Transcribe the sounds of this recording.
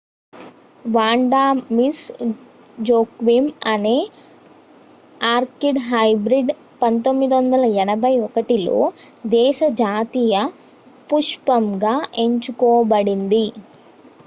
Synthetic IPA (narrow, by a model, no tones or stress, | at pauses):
ʋaːɳɖaːmis | d͡ʒoːkʋimɐne̞ː | aːɾkiɖɦɐjbɾiɖ | pɐnt̪o̞mːid̪iʋɐnd̪ɐlɐɛnɐbʱɐjɔkɐʈilo̞̰ː | d̪ɛːʃɐd͡ʒaːt̪iːjɐ | puʂpɐmɡaːʔe̞ɲt͡ʃukɔːbɐɽind̪i